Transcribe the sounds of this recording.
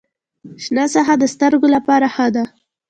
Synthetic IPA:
ʃnasaɦad̪əst̪əɾɡolapɑɾaxəd̪a

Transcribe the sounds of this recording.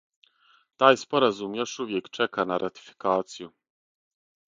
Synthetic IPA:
t̪ajspɔɾazumʲjaʂuvʲjɛkt͡ʂɛkanaɾʔat̪i̥fʲi̥kat̪sʲju

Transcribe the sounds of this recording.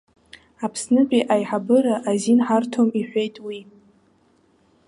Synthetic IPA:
apʰsnɨt͡ʃʼiʔajħabɨɾaʔazinħartʰomiħʷᶣejtʼwi

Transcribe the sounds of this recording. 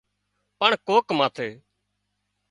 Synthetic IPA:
pəɳkoːkmaːt̪ʰeː

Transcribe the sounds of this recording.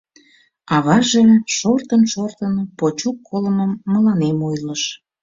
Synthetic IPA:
ɑβɑʒeʃort̪ənʃort̪ənpot͡ɕukːoləməmːəlɑnemojləʃ

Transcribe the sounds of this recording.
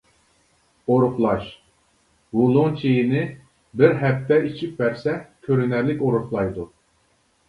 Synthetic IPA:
oɾuχlˠɑʃ | wulˠʊŋt͡ʃʰejinɪ | bɪɾɦɛp̚t̪ʰːɛit͡ʃʰip̚bɛɾsɛkʲʰøɾynæɾlɪkʲoɾuχlˠɑjd̪u

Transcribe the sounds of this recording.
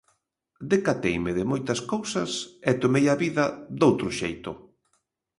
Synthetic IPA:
d̪ekat̪ejmɪðɪmojt̪ɐskowsɐsɛt̪omejaβiðɐd̪owt̪ɾʊʃejt̪ʊ

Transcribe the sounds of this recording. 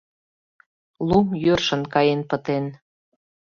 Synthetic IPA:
lumjørʃə̆nkɑjenpə̆t̪en

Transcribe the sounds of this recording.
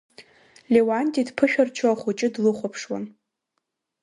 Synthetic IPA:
lʲewantʼidpʰɨʃᶣart͡ʃʰoaχut͡ʃʼɪdlɨχʷapʰʂwa̰n

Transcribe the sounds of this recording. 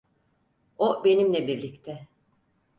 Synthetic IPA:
obe̞nimlʲɛbiɾlʲict̪ʰɛ

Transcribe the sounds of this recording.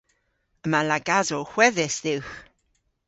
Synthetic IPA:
əmalaɡazoxw̥ɛðɪsðɪwx

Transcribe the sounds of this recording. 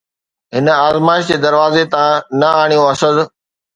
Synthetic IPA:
ɦɪnə̆aːzmaːɪʃd͡ʑ̪eːd̪ɐɾʋaːzet̪ɐʋãnɐaːɽ̃ijõɐsəz

